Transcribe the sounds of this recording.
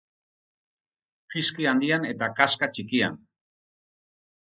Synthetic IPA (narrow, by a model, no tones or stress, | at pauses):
qiskiand̪iane̞t̪akaskat͡ʃikia̰n